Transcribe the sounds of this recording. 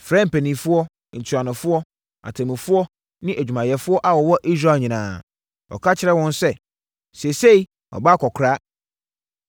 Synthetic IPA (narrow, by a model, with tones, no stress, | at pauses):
fɾɛ̃˦m̩˨pæ˨nĩ˨fʊ˦ɔ˦˨ | n̩˨tʰu˨a˨nʊ̃˨fʊ˦ɔ˦ | a̰˨tʰã˨mĩ˨fʊ˦ɔ˦ | nɪ̃˦ʔæ˨d͡ʑᶣu˨mã˨jɛ˨fʊ˦ɔ˦ʔa˨wɔ˨wɔ˦ʔi˦s̬ɾa˨lɲĩ˨nãː˨ | ɔ̰˨kʰa˦t͡ɕʰɪ˦ɾɛ˦wɔ̃˦nsɛ˦ | se˨se˦i˦ | ɔ̰˨ba˦kʰɔ˨kʰɾa˦